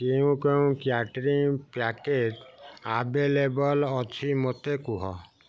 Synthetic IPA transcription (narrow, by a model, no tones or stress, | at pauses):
keũkeũkjaʈɾiŋpaketabelebɔlɔt̪ʰimot̪ekuɦɔ̰